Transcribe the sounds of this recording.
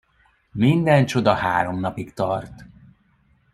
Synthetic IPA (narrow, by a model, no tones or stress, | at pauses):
mind̪ɛnt͡ʃo̞d̪ɒhaːɾo̞mnɒpikt̪ɒrt̪